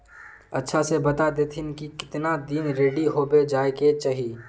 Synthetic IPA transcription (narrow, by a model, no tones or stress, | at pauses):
ɐtːʃʰasebɐt̪ad̪eːt̪ʰɪnkikɪ̥t̪nad̪iːnɾeːɖiɦoːbed͡ʒaːeket͡ʃaːɦii